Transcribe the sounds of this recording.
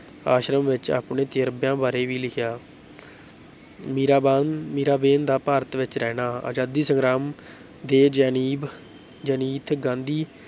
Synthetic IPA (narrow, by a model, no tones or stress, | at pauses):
aːʃɾəmʋɪt͡ʃa̰ːpɳẽːt̪eːɾəbjãːbaːɾeːʋiːlɪkʰjaː | miːɾaːbaːmiːɾaːbeːnd̪aːpaːɾət̪ʋɪt͡ʃɾɛːnaːa̰ːd͡ʒaːd̪iːsəŋɡɾaːm | d̪eːd͡ʒaːniːb | d͡ʒəːniːt̪ʰɡãːnd̪iː